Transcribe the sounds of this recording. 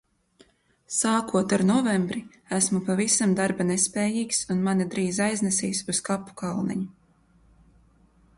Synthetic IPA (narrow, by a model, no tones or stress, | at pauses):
saːkuɔt̪aɾnɔvɛmbɾi | æsmupavisamd̪aɾbanespɛːjiːksunmanid̪ɾiːzajznɛsiːsuskapːu̥kalˠnɛ̰ɲu